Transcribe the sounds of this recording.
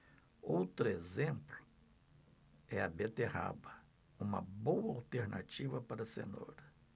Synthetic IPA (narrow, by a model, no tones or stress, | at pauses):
owt̪ɾʊezẽmplʊ̥ | ɛɐbet̪eha̰bɐ | ũmɐ̰bowɐawt̪eɾnʔa̰t͡ʃivɐpaɾɐsḛno̰ɾɐ